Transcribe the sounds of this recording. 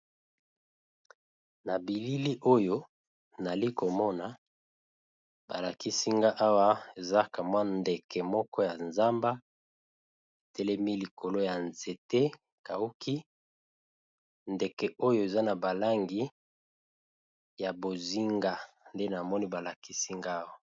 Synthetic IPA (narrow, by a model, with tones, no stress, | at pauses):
na˨bi˨li˦li˦ʔo˦jo˦ | na˨li˦ko˨mɔ˦na˨ | ba˨la˨ki˦si˦ŋɡa˦ʔa˦wa˦e˨za˦ka˨mwa˦nde˨kɛ˨mɔ˦kɔ˦ja˨nza˦mba˦ | e˨tɛ˦lɛ˦mi˦li˨ko˨lo˦ja˨nze˨te˦ | ka˨u˦ki˦ | nde˨kɛ˨ʔo˦jo˦e˨za˦na˨ba˨la˦ŋɡi˦ | ja˨bo˨zi˦ŋɡa˦ | nde˦na˨mɔ˦ni˦ba˨la˨ki˦si˦ŋɡa˦wa˦˨